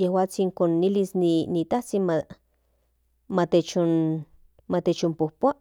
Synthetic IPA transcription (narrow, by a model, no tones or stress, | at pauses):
jehwaːt͡siŋkonːilisninit̪aht͡sinma | mat̪et͡ʃon | mat̪et͡ʃompohpoaʔ